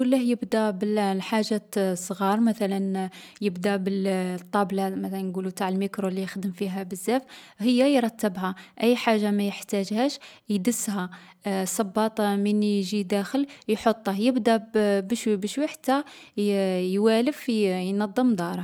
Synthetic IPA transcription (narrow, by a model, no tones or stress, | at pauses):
kʊlːæhjəbd̪æbəlħaʒːasˤɣɑɾˤmæt̪ælənjəbd̪æbəlt̪ˤːɑblamæt̪ælænɡulut̪aʕəlmikɾolijəxd̪əmfiɦæbəzːæf | həjːæjɾˤɑt̪ːəbɦæʔæjːħaʒːamæjəħt̪æʒhæʃjd̪əsːɦæ | sˤɑbːɑt̪ˤmənjʒid̪æxəljħot̪ˤːəhjəbd̪æbəʃbəʃwəħt̪æ | jwæləfjnɑd̪ˤːəmd̪ˤɑɾˤɑ